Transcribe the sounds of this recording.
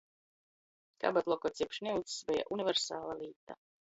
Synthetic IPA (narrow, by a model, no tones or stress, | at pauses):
ka̰bat̪lˠɔkɔt̪sʲiɛpʃnʲiwt̪sbɛja̰ʔunivɛɾsaːlˠaliːt̪a̰